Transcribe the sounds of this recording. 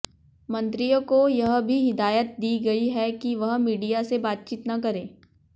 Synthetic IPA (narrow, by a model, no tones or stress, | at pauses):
mɐ̃nt̪ɾijõkojɐɦbʱiɦɪd̪aːjət̪̚d̪iːɡɐiɦɛkiʋɐɦmiːɖijasebaːt̪̚t͡ʃiːt̪nɐk̬ɐɾẽː